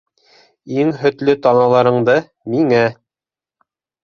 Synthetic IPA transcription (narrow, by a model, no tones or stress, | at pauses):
iŋɦɵ̆t̪lɵt̪ɑnɑlˠɑɾɤ̆ɴd̪ɤ | miŋæ